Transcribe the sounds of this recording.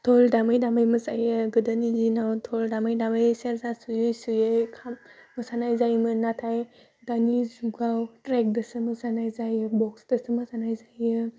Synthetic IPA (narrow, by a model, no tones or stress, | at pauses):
tʰɔldamɯjdamajmɯsajɯɡɯdənizinawtʰɔldamajdamɯjseɾzasujɯjsujɯkʰammɯsanajzajmɯnatʰaj | danizuɡawtɾek̚dɯsɯmɯsanajzajɯbɔksdɐsɯmɯsanajzajɯ